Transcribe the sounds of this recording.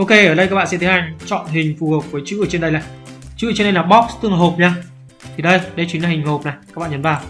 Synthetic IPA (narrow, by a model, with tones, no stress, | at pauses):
ʔo˧ke˧ʔəː˧˩ɗə˧jkaː˦˥k̚ɓaː˧˨ɛ̰˧˥t̪ʰə˨˦ha˧jŋ̟t͡ɕɔ̰˧˨nɦï˨˩ŋ̟fu˨˩hə˨˩k͡p̚vəː˨˦jt͡ɕɨ̰˧˥ʔəː˧˩t͡ɕe˧nɗə˧jlaː˨˩jt͡ɕɨ̰ː˧˥˦e˧nɗə˧jlaː˨˩ɓɔ˦˥k̚st̪ɨ˧ə˧ŋɦo˨˩p̚ɲaː˧ | t̪ʰi˨˩ɗə˧jɗə˧jt͡ɕwi˨˦nla˧˩hï˨˩ŋ̟ɦo˨˩p̚na˨˩jaː˦˥ɓa̰ː˧˨ɲə˨˦nvaː˨˩w